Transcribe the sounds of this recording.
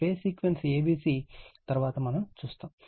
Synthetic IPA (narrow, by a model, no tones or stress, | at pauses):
eːsiːkʋenseːbiːsiːt̪ɐɾʋaːt̪ɐmɐnɐmt͡ʃuːst̪aːm